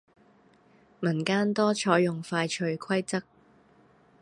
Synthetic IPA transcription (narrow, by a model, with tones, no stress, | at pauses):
mɐ˨˩nkaː˥nt̪ɔː˥t͡ʃʰɔː˨˥jʊ˨˩ŋfaː˧jt͡ʃʰɵ˧ɥkʰwɐ˥jt͡sɐ˥k̚